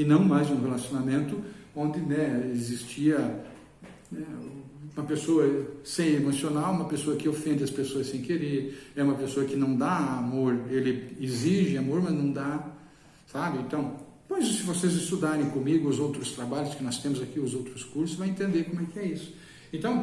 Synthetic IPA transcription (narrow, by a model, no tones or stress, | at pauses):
ɪnɐ̃w̃majzũhelasionamẽnt̪ʊõnd̪ɪnɛezist͡ʃiɐ | nɛ | ũmɐpesoɐsẽj̃emosionawũmɐpesoɐkɪofẽnd̪ɪɐspesoɐsːẽj̃keɾeɾɛũmɐpesoɐkɪnɐ̃w̃d̪aamoɾelɪeziʒɪamoɾmɐznɐ̃w̃d̪a | sabɪẽnt̪ɐ̃w̃ | pojzsɪvosezɪst̪ud̪aɾẽj̃kõmiɡʊʊzowt̪ɾʊst̪ɾabaʎʊskɪnɔst̪ẽmʊzakiʊzowt̪ɾʊskuɾsʊsvajẽnt̪ẽnd̪eɾkõmʊɛkɪɛisʊ̥ | ẽt̪ɐ̃w̃